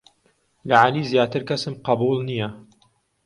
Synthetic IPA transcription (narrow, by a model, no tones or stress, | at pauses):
lɐʕaliːzjaːt̪ɨɾkɐsɨmqɑbuːlˠnijɐ